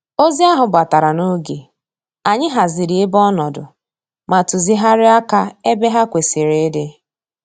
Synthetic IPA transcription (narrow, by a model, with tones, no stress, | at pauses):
o˦zi˦a˦ɦʊ˨ba˨ta˨ɾa˨no˦ɡe˨ | a˨ɲɪ˦ɦa˨zɪ˨ɾi˨ɪ˦bɔ˦nɔ˨dʊ̰˨ | ma˨tʊ˨zi˦ɦa˦ɾɪ˦a˦ka˦e˦be˦ɦa˦kʷe˨sɪ˨ɾe˦dɪ˦